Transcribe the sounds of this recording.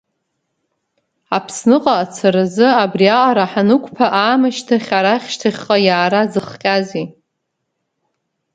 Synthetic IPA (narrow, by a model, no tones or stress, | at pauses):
apʰsnɨqʼaːt͡sʰaɾazɨabrialaɾaħanɨkʷʰʼpʰaʔaːmaʃtʰaχʲaɾaχʲʃtʰaχʲqʼajaːɾazɨχqʲʼazi